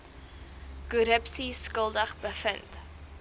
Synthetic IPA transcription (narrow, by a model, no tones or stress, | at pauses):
kuɾəpsiskəlˠdəχbəfənt